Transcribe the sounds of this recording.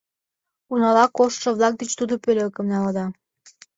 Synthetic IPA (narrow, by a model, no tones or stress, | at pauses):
unɑlɑkoʃt̪ʃɤ̆βlɑk̚d̪et͡ɕt̪ud̪opølʲøkə̆mnɑlɑd̪ɑ